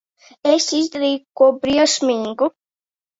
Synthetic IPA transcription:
esizd̪aɾiːkuɔbɾiʃmiŋɡu

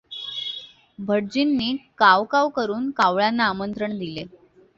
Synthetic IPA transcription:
bʱəɽd͡ʑinːiːkaʋkaʋkəɾuːnkaʋɭanːaːmənt̪ɾəɳd̪ile

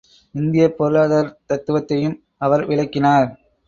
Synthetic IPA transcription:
ɪnd̪ɪjɐpːɔɾɯɭaːðɐɾt̪ɐt̪ːɯʋɐt̪ːɐjɯm | ɐʋɐɾʋɪɭɐɪkːɪnaːɾ

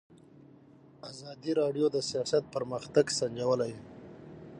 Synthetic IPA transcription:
azɑd̪iɾɑɖjod̪əsijɑsat̪̚pəɾməxt̪aɡsand͡ʒawəlaj

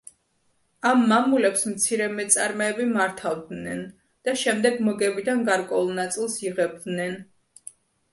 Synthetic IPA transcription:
amːamulɛpsmt̪sʰiɾɛmɛt̪sʼaɾmɔɛbimaɾt̪ʰavd̪nɛn | d̪̥aʃɛmd̪ɛɡmɔɡɛbid̪anɡaɾkʼwɛulˠnat̪sʼilˠsiʁɛb̚d̪nɛn

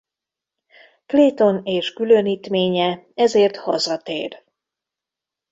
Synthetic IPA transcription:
kleːt̪o̞neːʃkyløniːt̪meːɲɛ | ɛzeːrt̪hɒzɒt̪ḛːr

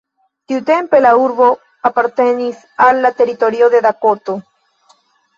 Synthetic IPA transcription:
t̪iut̪e̞mpe̞lauɾbo̞ | apaɾt̪e̞nis | alːat̪e̞ɾit̪o̞ɾioðe̞d̪akot̪o

